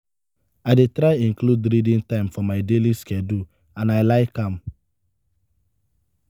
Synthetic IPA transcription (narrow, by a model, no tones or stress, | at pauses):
aɪdetɾaɪĩŋkludɾidĩntãɪ̃mfɔmaɪdeliskɛdu | ãnaɪlaɪkãm̩